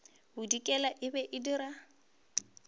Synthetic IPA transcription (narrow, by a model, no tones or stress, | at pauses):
bʊdikʼɛlaʔɪbɛʔɪdiɾa